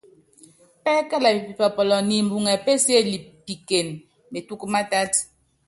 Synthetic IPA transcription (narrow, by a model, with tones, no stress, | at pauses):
pɛ˦ka˦la˨pi˨pi˨pɔ˨pɔ˨lɔ˨ni˨m̩˨bu˨ŋɛ˨pe˦se˦li˨p̚ːi˨ke˨n | me˨tu˦kma˦ta˦t